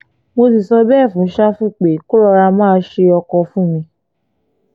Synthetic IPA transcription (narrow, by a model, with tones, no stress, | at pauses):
mo˧s̬i˨sɔ˧bɛ˦˨fũ˨˦ʃa˦fu˦˨k͡pe˨˦ko˦ɾɔ˧ɾa˧mãː˦˧˦ʃe˧ɔ˧kɔ˧fũ˦˨mĩ˧